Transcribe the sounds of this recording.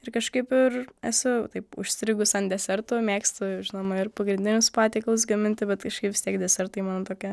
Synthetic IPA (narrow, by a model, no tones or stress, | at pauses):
ɪrkɐʃkɐɪpɪræsʲʊt̪ɐɪpʊ̰ʃʲsʲt̪ʲɾʲɪɡʊsɐnd̪ʲɛsʲɛɾt̪ʊmʲeːkst̪ʊɛʊʒʲɪnoːmɐɪrpɐɡɾʲɪnʲd̪ʲɪnʲʊspɑːt̪ʲeɪklˠʊs̬ɡɐmʲɪnʲt̪ʲɪbʲɛt̪kɐʃkɐɪpʋʲɪst̪ʲiɛkd̪ʲɛsʲɛɾt̪ɐɪmɑːnt̪oːkʲɛ